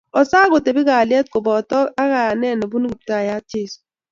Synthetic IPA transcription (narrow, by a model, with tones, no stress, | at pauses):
ɔ˨saː˦ɡo˨te˨bɪ˦ɡa˨lɪ˦ɛ˦t̚ko˨bɔ˨tɔ˦a˦ɣa˨ja˨nɛ˦˨nɛ˨bu˦n˦ɡi˨p̚ta˦˨ja˦t͡ʃe˦˨s